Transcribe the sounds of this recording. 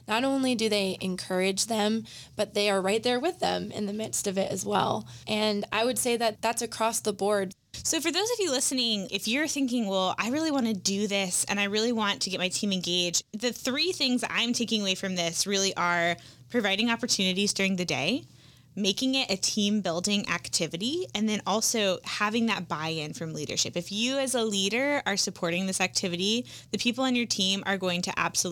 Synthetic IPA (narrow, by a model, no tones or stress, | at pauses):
nəɾõʊ̃nlidɨðeɪʔɨ̃nkʰɜ˞ɪd͡ʒðɨ̃mb̥ʌt̪̚ðeɪə˞ɹaɪt̪̚ðə˞wɨðɨ̰̃mɪ̰̃nðɨmɪtstʌvɪɾɨ̰zwɛ̰lˠʔɨ̃na̰ɪwɨd̥seɪðɨt̪̚ðætsɨkʰɹ̥ɔsðəbɔɹd̚ | soʊfə˞ðoʊzʌvjɨlɪsɨnɪ̃ŋɪfjə˞θɪ̃ŋk̬ɪ̃ŋwɛlˠa̰ɪɹɪlˠiwɑ̃nɨdɨðɪsɨ̰̃ñaɪɹɪlˠiwɑ̃ntʰɨɡɛt̚maɪtʰĩmɨ̃nɡeɪd͡ʒdðɨθɹiθɪ̃ŋzã̰ɪ̃mtʰeɪkɪ̃ŋəweɪfɹʌ̃mðɪsɹɪlˠiʔə˞pʰɹ̥ɨvaɪɾɪ̃ŋɑpə˞tʰʉnɨɾizdʊɹɪ̃ŋðɨdḛɪ | meɪkɪ̃ŋɪɾʔɨtʰĩmbɪlˠdɪ̃ŋʔæ̰ktʰɪvɨɾiɨ̃nðɨ̃nɔlˠsoʊhævɪ̃ŋðɨt̚b̥aɪɨ̃nfɹʌ̃mliɾə̰˞ʃɪ̰pɨfjɨɨzəliɾə˞ə˞sɨpʰɔɹɾɪ̃ŋðɪsæk̚tʰɪvɨɾiðɨpʰipl̩ˠɨ̃njə˞tʰĩmə̰˞ɡoʊɪ̃ŋtʰɨʔæ̰b̥səl